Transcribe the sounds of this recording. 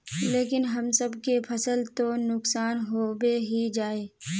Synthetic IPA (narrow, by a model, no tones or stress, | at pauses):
leːkɪnɦɐmsəbkepʰɐsəlt̪onʊksaːnɦoːweɦid͡ʒaːeː